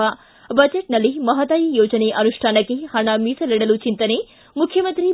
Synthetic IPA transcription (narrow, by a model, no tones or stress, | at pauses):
ɐ | bɐd͡ʒeʈnɐlːimɐɦɐt̪ɐjijoːd͡ʒɐneʔɐnuʂʈʰaːnɐkːehɐɳɐmiːsɐliɽɐlut͡ʃint̪ɐne | mukʰjɐmɐnt̪ɾi